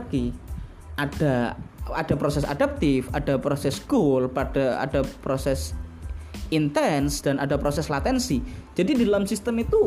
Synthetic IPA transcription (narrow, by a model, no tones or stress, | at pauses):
ki | ʔad̥aad̥apɾosɛsa̰dap̚t̪ɪfad̥apɾosɛsɡ̥olpad̥aa̰d̥apɾosɛs | int̪ɛnsd̥anadapɾosɛslat̪ɛnsid͡ʒ̥adididalamsist̪əmit̪u